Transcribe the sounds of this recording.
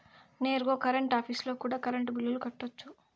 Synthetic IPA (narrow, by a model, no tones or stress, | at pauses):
ne̞ːɾɡo̞ːkɐɾɐɳʈaːpʰiːslo̞ːkuːɽaːkɐɾɐɳʈbilːulukɐʈːot͡ʃːu